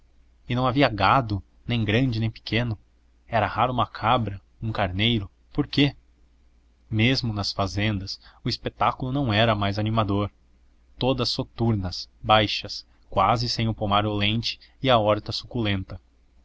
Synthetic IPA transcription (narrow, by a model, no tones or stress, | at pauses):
ɪnɐ̃w̃aviɐɡad̪ʊ | nẽj̃ɡɾɐ̃nd͡ʒɪnẽj̃pɪ̥kʰẽnʊ | ɛɾɐhaɾʊũmɐkʰabɾɐ | ũkaɾnejɾʊ | poɾke | mezmʊnɐsfazẽnd̪ɐsʊispet̪akʊlʊnɐ̃w̃ɛɾɐmajzanimad̪oɾ | t̪od̪ɐsːot̪uɾnɐsbajʃɐs | kwazɪsẽj̃ʊpomaɾʊlẽnt͡ʃɪ̥ɪɐɔɾt̪ɐsu̥kulẽnt̪ɐ